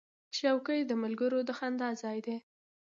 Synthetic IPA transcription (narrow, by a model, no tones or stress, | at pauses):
ʃawkəjd̪əmalɡəɾod̪əxand̪ɑzɑjd̪e